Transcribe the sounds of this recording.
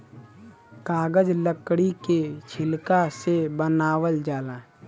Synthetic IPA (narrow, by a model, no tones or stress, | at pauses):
kaːɡəd͡ʒləkɽiket͡ʃʰɪlkasebənaːwəld͡ʒaːlãː